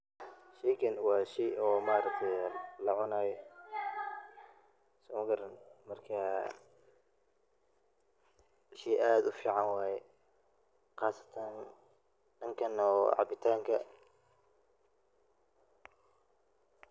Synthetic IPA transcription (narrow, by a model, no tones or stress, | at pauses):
ʃɛjkʰɐnwɑːʃɛjɔːmaːɾɐk̚t̪ʰɛjlɐʕʊnaːjɔ | sʊmɡɐɾnmɐrkʰɐ | ʃɛjʔaːd̪ʊfiːʕɑnwɑːjɛ | qɑːsɐ̥t̪ʰɐn | ɖɐŋkʰɐnɔːʕɑ̰bɪt̪ʰaːŋkʰɐ